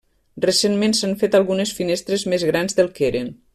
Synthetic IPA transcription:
resenmensaɱfet̪alˠɣunesfinest̪ɾezmezɣɾanzðelˠkeɾen

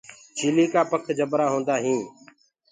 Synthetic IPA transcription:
t͡ʃʰiːliːkaːpəkʰd͡ʒəbɾaːɦõːnd̪aːɦĩː

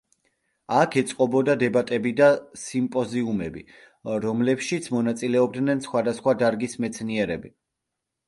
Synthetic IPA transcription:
akʰɛt̪sʼqʼɔbɔd̪ad̪ɛbat̪ʼɛbid̪asimpʼɔziumɛbḭ | ɾɔmlɛpʃit̪sʰmɔnat̪sʼilɛɔb̚d̪nɛnsχwad̪asχwad̪aɾɡismɛt̪sʰniɛɾɛbi

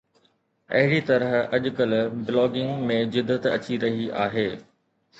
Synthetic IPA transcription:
ɐ̰ɦɪɽit̪ɐɾəɦɐʄkəlblɔːɡɪ̃ŋɡmẽd͡ʑɪd̪ːət̪ɐ̰t͡ɕiɾɐɦiʔaːɦeː

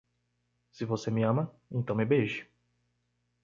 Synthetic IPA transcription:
sɪvosemɪɐ̃mɐ | ẽnt̪ɐ̃w̃mɪbeʒɪ

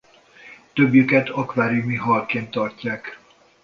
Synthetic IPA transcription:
t̪øbjykɛt̪ʰɒkʋaːɾjumiɦɒrkeːnt̪ːɒrcːaːk

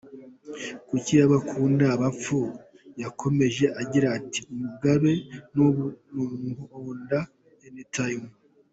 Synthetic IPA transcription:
kucijaβakʰuːndaːβap͡fu | jakʰo̞me̞ʒe̞ʔaɟiɾaːtiumuɡaβe̞nnumunuonda | jenitʰajimu

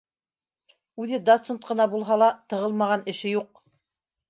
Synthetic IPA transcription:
ʉðɘd̪ot̪sent̪̚qɤ̆nɑbulˠɦɑlˠɑt̪ɤ̆ʁɤlˠmɑʁɑnɘ̆ʃɘjuq̚

